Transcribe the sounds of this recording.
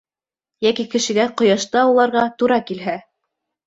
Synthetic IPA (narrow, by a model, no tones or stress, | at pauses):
jækikɘ̆ʃɘ̆ɡæqŏjɑʃt̪ɑulˠɑɾʁɑt̪uɾɑkilɦæ